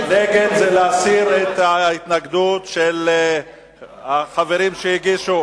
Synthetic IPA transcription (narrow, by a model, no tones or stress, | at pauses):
leɡedzeleasiʁet̪hait̪naɡd̪ut̪ʃel | haχaveʁimʃejiɡiʃu